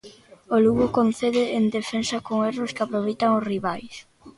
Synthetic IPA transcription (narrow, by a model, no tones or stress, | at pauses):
oluɣʊkonθeðɪːnd̪efensakoŋeroskɪapɾoβejt̪aŋosriβajs